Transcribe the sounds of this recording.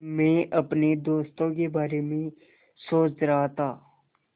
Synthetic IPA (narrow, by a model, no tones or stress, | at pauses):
mẽʔɐpned̪oːst̪õkebaːɾemẽ | soːt͡ʃɾɐɦat̪ʰaː